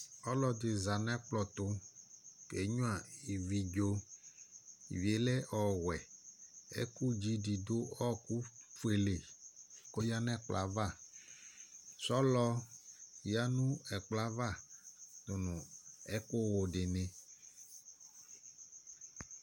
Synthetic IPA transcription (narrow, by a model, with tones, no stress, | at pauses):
ɔ˦lɔ˨de˨za˨nɛ̃˦k͡plɔ˨t̪o˦ | ke˨˦ɲũ˦a˨i˨vi˨d͡ʒo˦ | i˨vi˨e˨lɛ˦ʔɔ˨wɛ˨ | ḛ˦ku˦d͡ʒi˦di˨do˦ɔ˦ku˦fu˦e˨le˨ko˦ja˦nɛ̃˦k͡pla̰˨va˦˨ | sɔ˦lɔ˦ | ja˦nũ˦ɛ˨k͡pla˦va˦˨t̪o˨nũ˨ɛ˦ko˦wo˨ɖe˨nẽ˨